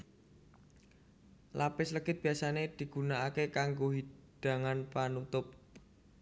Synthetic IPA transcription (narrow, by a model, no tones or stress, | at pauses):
lapɪsləɡɪt̪̚b̥i̤asaned̪̥i̤ɡ̥unaakekaŋɡoɦid̥a̤ŋanpanut̪ʊp̚